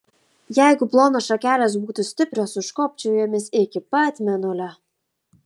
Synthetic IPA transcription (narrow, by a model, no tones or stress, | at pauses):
jæˑɪɡʊplˠoːnoːʃɐkʲæːlʲɛs̬buːt̪ʊsʲt̪ʲɪpʲɾʲosʊʃkoːp̚ʲt͡ʃʲɛjoːmʲɪsɪkʲɪpɐt̪ʲmʲɛnʊlʲɛ